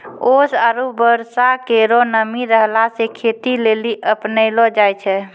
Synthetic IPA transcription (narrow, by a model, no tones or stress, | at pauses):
osaɾubəɾsakeɾonəmiɾəɦlasekʰet̪ileliʔəpnəɪlod͡ʒajt͡ʃʰɛ